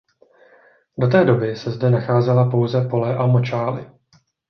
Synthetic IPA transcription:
do̞t̪̬ɛːdo̞bɪsɛzdɛnaxaːzɛlapo̞wzɛpo̞lɛʔamo̞t͡ʃaːlɪ̰

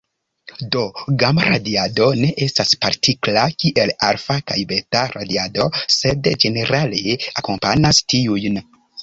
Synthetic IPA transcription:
do̞ɡamɾadiado̞ne̞ʔe̞staspaɾtʰiklakiʔe̞laɾfakajbe̞taɾa̰diado̞se̞dd͡ʒe̞ne̞ɾale̞ako̞mpanastʰiujn

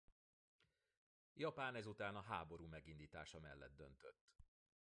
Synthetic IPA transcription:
jɒpaːnɛzut̪aːnɒɦaːbo̞ɾuːmɛɡind̪iːt̪a̰ːʃɒmɛ̰lːɛ̰d̪̚ːø̰nt̪øt̪ː

